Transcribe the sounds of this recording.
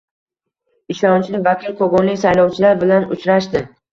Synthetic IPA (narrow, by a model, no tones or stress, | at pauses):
ɪʃɒnt͡ʃʰlɪvakʲʰɪlqʰoɡɒnlɪkʲsajlɒwt͡ʃʰɪlaɾbɪlanʊ̰t͡ʃɾaʃd̪ɪ